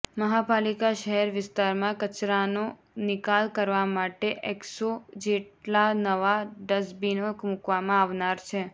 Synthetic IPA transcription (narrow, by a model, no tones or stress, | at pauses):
məɦapalikaʃəɦɛɾʋɪst̪aɾmãkət͡ʃɾano | nɪkalkəɾʋamaʈeʔeksod͡ʒeʈlanəʋaɖəsbinokmukʋamãaʋnaɾt͡ʃʰe